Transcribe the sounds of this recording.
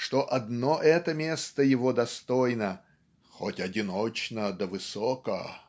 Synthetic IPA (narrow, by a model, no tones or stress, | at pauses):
ʂt̪oʔɐd̪noʔɛt̪əmʲest̪əjɪvod̪ɐst̪ojnə | xotʲɐdʲɪnot͡ɕnəd̪əvɨsokə